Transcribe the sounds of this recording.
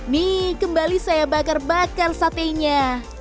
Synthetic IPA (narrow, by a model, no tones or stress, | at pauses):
nikəmbalisajabakarbakarsat̪eɲa